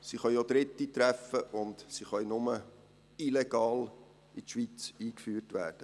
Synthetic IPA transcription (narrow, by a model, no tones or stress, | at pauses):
siχœʏod̪ɾɪt̪ːit̪ɾæfəʔʊndsiχœʏnʊmə | ileɡ̥ɑːl | itʃʋit͡siːkfyːrtʋæ̰ːrd̥ə